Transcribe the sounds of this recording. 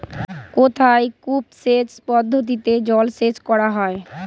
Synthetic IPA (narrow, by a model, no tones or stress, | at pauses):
kot̪ʰajkupset͡ɕpɔd̪ʱːot̪̬it̪ed͡ʑɔlsed͡ʑkɔɽaɦɔe